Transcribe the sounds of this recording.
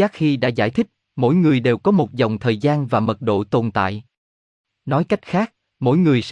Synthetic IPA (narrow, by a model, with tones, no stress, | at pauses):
aː˦˥k̚xi˧ɗa̰ː˧˥za̰ː˧jt̪ʰï˦˥k̟̚ | mo̰˧˥jŋɨ˨˩əjɗe˨˩wkɔ˨˦mo˨˩t̚zɔ˨˩wŋ͡mt̪ʰəː˨˩jzaː˧nvaː˨˩mə˨˩t̚ɗo̰˧˨t̪o˨˩nt̪a̰ː˧˨j | nɔ˨˦jka˦˥jk̟̚xaː˦˥k̚ | mo̰˧˥jŋɨ˨˩əjs